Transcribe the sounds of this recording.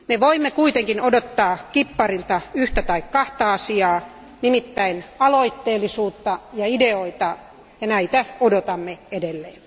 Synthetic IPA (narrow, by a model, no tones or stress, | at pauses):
meʋoimːekuit̪eŋkinodot̪ːɑːkipːɑrilt̪ɑyht̪æt̪ɑikkɑht̪ɑɑsiɑː | nimit̪ːæinɑloit̪ːeːlːisuːt̪ːɑjɑideoit̪ɑ | jɑnæit̪æodot̪ɑmːeedelːeː